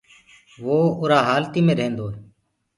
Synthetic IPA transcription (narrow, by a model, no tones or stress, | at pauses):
ʋoːʊɾaːɦaːlt̪iːmẽːɾəɦẽːnd̪oː